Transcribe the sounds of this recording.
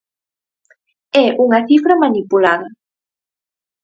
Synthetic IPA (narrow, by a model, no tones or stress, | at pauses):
ɛʔuŋɐθifɾamanipulaðɐ